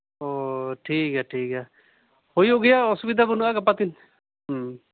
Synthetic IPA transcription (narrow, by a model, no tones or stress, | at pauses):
oːʈʰiːkɦɛːʈʰiːkɦɛː | hoːiɦoɡɪjasʊbid̪ʱabənuakap̬at̪ɪn | ɦ